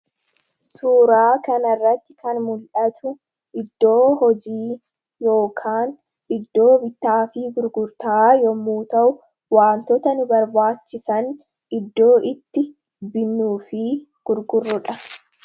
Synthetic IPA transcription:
suːɾaːkɐnɐrːɐt̪ːɪkɐnmʊlʔɐt̪ʊ | ʔɪd̪ːo̞ːhɔd͡ʒiː | jo̞ːkʰaːn | ɪd̪ːo̞ːbɪt̪ːaːfiːɡʊɾɡʊɾt̪ɐaːjɔmːuːt̪ɐʔʊ | waːnt̪ɔt̪ɐnɪbɐɾbaːt͡ʃːɪsɐn | ʔɪd̪ːo̞ːʔɪt̪ːɪ | bɪnːuːfɪː | ɡ̥ʊɾɡʊrːʊᶑɐ

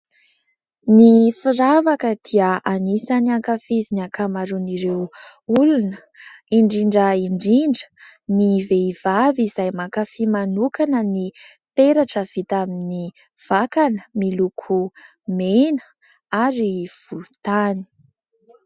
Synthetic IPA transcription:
nifiɾavakəd̪̥iəanisanaŋkafizinakamaɾuniɾewulunə | iɳɖ͡ʐiɳɖ͡ʐəiɳɖ͡ʐiɳɖ͡ʐə̥niveiv̥avizajmakafimanukanəni | peɾaʈ͡ʂəv̥it̪amini | v̥akanəmilukʰu | menə̥ | aɾiv̥ulut̪ani̥

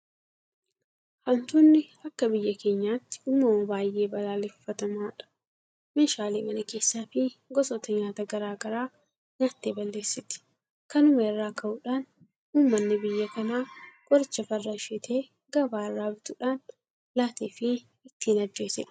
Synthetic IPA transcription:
hɐnt̪unːɪɐkːɐbɪjːɐkʰe̞ːɲːaːt̪ːɪ̥ʊmːɐoːbaːjʔe̞ːbɐlaːlɛfːɐt̪ɐmaːᶑɐ̥ | meːʃaːliːmɐnɐke̞ːsːaːfɪɡɔsɔt̪ɐɲaːt̪ɐɡɐɾaːɡɐɾaː | ɲaːt̪ːeːbɐlːe̞ːsːɪt̪ɪ̥ | kɐnʊmɐɛrːaːkɐʔʊᶑaːn | huːmːɐnːɪbɪjːɐkɐnaːɡʼɔɾɪt͡ʃːɐfɐrːaʃɛt̪ʰe̞ː | ɡɐbaːrːaːbɪt̪ʊᶑaːn | laːt̪eːfɪ | ɪt̪ːiːnɐɾd͡ʒe̞ːsɛᶑ

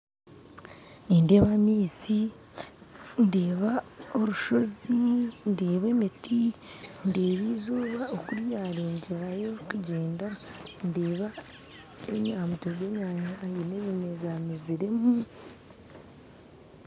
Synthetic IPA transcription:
ninde̞ːβamiːsi | ndeːβao̞ɾuʃo̞zindeːβe̞ːmitindeːβiːzuːβaokuɾjaːɾeːɲɟe̞ɾajo̞kuɟe̞ːndandeːβa | eɲaːmutoβe̞ːɲaːɲaineβimezamiziɾe̞mu

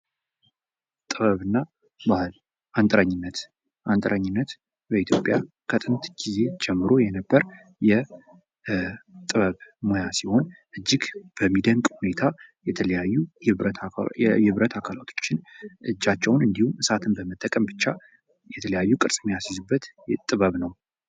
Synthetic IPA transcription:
t̪ʼɨβəβɨnːa | bahl | ʔant̪ʼɾəɲːɪnːət̪ | ʔant̪ʼəɾəɲːɪnːət̪ | bəit̪ʰjopʼja | kʰət̪ʼɨnt̪ɡ̥ize̞d͡ʒɛmːɨɾo̞jɛnəbːəɾ | jɛ | t̪ʼɨβəβmojasiho̞nʔɨd͡ʒːɪɡb̥əmːid̪əŋkʼhune̞t̪ʰajɛt̪ʰələjajːut̪ɨβɾət̪ʰakʰalat̪ʰo̞̥t͡ʃːɪnʔɨd͡ʒːat͡ʃːɛwnɨnd̪ihumʔɨsat̪ʰɨnbəmət̪ʼːəkʼəmbɨt͡ʃːa | jɛt̪ʰələjajːukʼɨɾsʼmojasizɨbːət̪t̪ʼɨβəβnəw

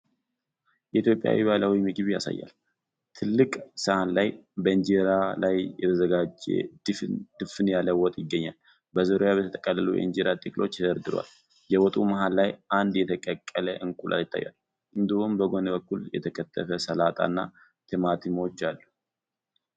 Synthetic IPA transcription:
jɛit̪ʰjopʼːja̰wḭβaləwimɨɡɨβja̰sa̰jːa̰l | t̪ʰɨlːɨkʼsəʔanlajbəɲd͡ʒeɾalajjɛt̪ʰəzəɡad͡ʒḛd̪̥d̪̥ɨfɨnjaləwɔt̪ʼjɪɡːəɲːal | bəzəɾojaβbət̪ʰət̪ʼəkʼːəlːəlujɛ̰ɨnd͡ʒeɾat̪ʼikʼlo̞t͡ʃːzəɾd̪ɨɾwa̰l | jɛwɔt̪ʼumaɦalːajʔand̪jɛt̪ʰəkʼəkʼːələʔɨŋkʼulʔa̰ɨt̪ʰːa̰jːa̰l | ɨnd̪ihumbəɡo̞nəbəkːuljɛ̰t̪ʰəkʰət̪ʰːəfəsəlat̪ʼa̰nːa̰ | t̪ʰɨmat̪ʰɨmo̞t͡ʃːalːu

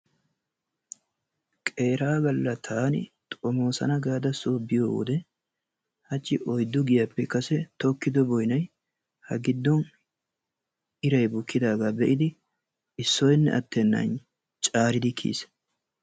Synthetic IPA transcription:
kʼe̞ːɾaːbɐlːɐt̪ʰaːnɪ̰t̪ʼɔmo̞ːsɐ̰nɐɡaːd̪ɐsoːbɪjo̰ːwɔ̰d̪ɛ | hɐt͡ʃʼːɪʔɔjd̪ːʊɡɪjɐpːɛkɐsɛt̪ɔkːɪd̪ɔbɔjnɐj | hɐɡɪd̪ːɔn | ɪɾɐjbʊkːɪd̪aːɡaːbɛʔɪd̪ɪ | ɪsːɔjnːɛ̰ʔɐt̪ːɛnːɐ̰n | t͡ʃʼaːɾɪd̪ɪkʰḭːs

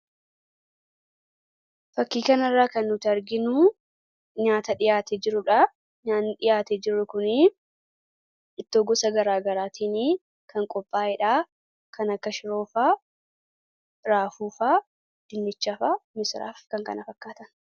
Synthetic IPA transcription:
fɐkːiːkɐnɐrːaːkɐnːʊt̪ɐɾɡɪnuː | ɲaːt̪ɐᶑɪjaːt̪ɛd͡ʒɪɾʊᶑa | ɲaːnːᶑɪjaːt̪ɛd͡ʒɪrːʊkʊnɪ | ɪt̪ːoːɡɔsɐɡɐɾaːɡɐɾaːt̪ʰiːniː | kɐŋkʼɔpʼːaːɛᶑaː | kɐnɐkːɐʃɪɾo̞ːfaː | ɾaːfuːfaː | d̪̥ɪnːɪt͡ʃːɐfamɪsɾa̰ːfkɐŋkɐ̰nɐfɐkːaːt̪ɐn

